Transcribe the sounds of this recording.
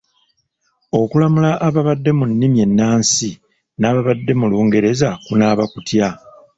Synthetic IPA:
o̞kulamulaʔːβaβadːe̞munːimje̞nːaːnsi | naːβaβadːe̞muluːŋɡe̞ɾe̞zakunaːβakutja

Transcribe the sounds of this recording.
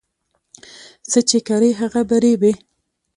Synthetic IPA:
sət͡ʃekaɾəjɦaɣabaɾebe

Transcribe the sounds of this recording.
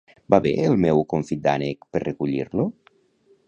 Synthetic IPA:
baβḛelˠmɛwkoɱfianekperrekuʎiɾlo

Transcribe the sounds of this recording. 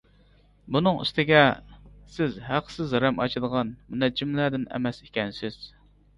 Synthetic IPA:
bunɨŋḭst̪ɪɡʲɛsɪzɦæqsɪzɾɛmɑt͡ʃʰɨd̪əʁɑnmɪnɛd͡ʒimlæd̪ɪnɛ̰mɛsikʲɛnsɪz̥

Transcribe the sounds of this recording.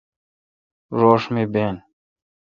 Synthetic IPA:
ɾoːʂmiben

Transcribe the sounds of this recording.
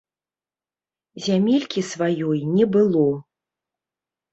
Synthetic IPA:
zʲamʲelʲkʲisvajɔjnʲɛbɨlˠɔ

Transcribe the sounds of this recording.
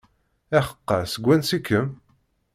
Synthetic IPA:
æχə̥qːɑsəɡʷænsikːəm

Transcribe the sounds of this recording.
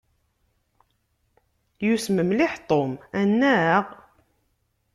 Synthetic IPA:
jusməmlɪħt̪ˤomænːæʁ

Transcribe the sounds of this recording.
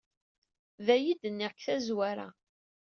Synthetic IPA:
ðæjid̪ənːɪʁkθæzwæɾa̰

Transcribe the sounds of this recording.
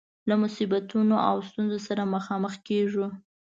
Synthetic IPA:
lamʊsibat̪unoʔa̰wst̪unzosaɾaməxɑməxkeʐu

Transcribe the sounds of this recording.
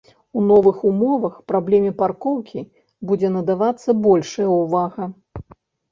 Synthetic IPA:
unɔvɨxumɔvɐxpɾablʲɛmʲɛparkɔwkʲʰi | bud͡zʲɛnɐd̪avat̪sːɐbɔlʲʂɐjɐwvaɣɐ

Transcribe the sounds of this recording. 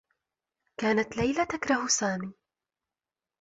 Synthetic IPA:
kaːnat̪lajlat̪akɾˤɑhsaːmiː

